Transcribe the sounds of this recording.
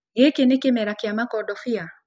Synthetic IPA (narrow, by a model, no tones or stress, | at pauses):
ɡekenɪkɪmɛɾakɪamakɔdɔfia